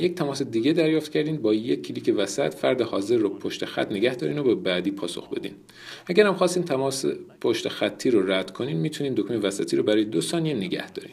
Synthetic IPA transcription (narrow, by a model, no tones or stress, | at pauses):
je̞c̚t̪ʰæmɒːse̞d̪iːɡe̞d̪æɾjɒːft̪cʰæɾd̪iːmbɒːjekʰːiliːcʰevæsæt̪fæɾd̪ehɒːze̞ɾːopʰoʃt̪exæ̰t̪ʰneɡæhd̪ɒːɾḭːnobebæd̪iːpʰɒːso̰xbe̞̰d̪ḭːn | ʔæɡæɾhæmxɒːst̪iːmt̪ʰæɒspʰoʃt̪exæt̪ʰːiːɾoræd̪̥kʰo̞niːmmiːt̪ʰuniːmd̪okʰmevæsæt̪ʰiːɾobæɾɒːjed̪osɒːnijeneɟæ̰hd̪ɒ̰ːɾḭːm